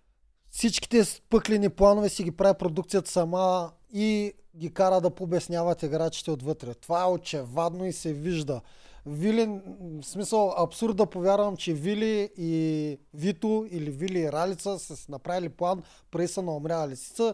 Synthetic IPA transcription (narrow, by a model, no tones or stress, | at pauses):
fsit͡ʃki̥t̪ɛspɤkliniplˠanovɛsiɡʲipɾavipɾod̪ukt̪sijət̪ə̥sɐma | i | ɡʲikaɾəd̪ɐpobɛsnʲjavɐt̪ɛɡɾat͡ʃi̥t̪ɛot̪vɤt̪ɾɛt̪ovaɛot͡ʃɛvad̪noisɛviʒd̪əvilinsmisəlˠɐpsuɾd̪̚d̪ɐpovʲjaɾvəmt͡ʃɛviliː | vit̪oiliviliːɾalit̪səsəsnɐpɾaviliplˠan | pɾɐisənoːmɾʲalisi̥t̪ə